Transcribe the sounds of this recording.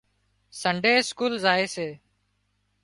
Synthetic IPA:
səɳɖeːskuːlzaːeːseː

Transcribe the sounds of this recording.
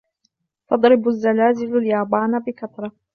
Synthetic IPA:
fɑd̪ˤɾɪbazːalaːzɪlaljɑːbɑːnbɪkat̪ˤɾˤɑ

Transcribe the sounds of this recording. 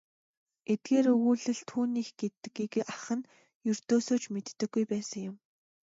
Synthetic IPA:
et̪̚ɡeːɾɵɣuːɮɘ̆ɮt̪ʰuːniːxɡ̥et̪ɘ̆kiɡʔaχə̆n | jɵr̥t̪oːsoːt͡ɕmet̪ːɘ̆ɡːujpæːsə̆ŋjʊ̆m

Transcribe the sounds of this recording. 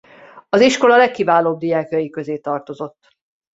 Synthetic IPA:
ɒziʃko̞lɒlɛkːivaːloːb̚d̪ijaːkjɒjikø̞zeːt̪ɒrt̪o̞zo̞t̪ː

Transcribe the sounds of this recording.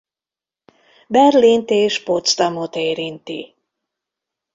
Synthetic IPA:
bɛrlint̪eːʃpot̪st̪ɑmot̪eːɾint̪ḭ

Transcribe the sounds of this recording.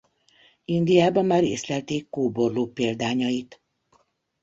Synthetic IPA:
ind̪ijaːbɒmmaːɾḛːslɛlt̪eːkːoːborloːpeːld̪aːɲɒit̪

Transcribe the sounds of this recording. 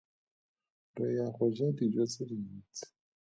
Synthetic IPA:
dɔjaχʊʒadid͡ʒɔt͡sɪliːn̩t͡sɪ̥

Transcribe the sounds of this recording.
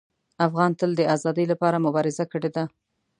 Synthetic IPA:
afɣɑnt̪əld̪əazɑd̪əjlapɑɾamʊbɑɾɪzakəɽed̪a

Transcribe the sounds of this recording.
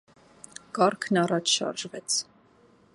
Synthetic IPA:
kɑɾkʰnɑrɑt͡ʃʰʃɑ̰ɾʒvɛt͡sʰ

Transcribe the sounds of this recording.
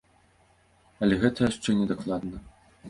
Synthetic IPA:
ɐlʲɛɣɛt̪ɐjʂt͡ʂɛnʲɛd̪aklˠad̪nɐ

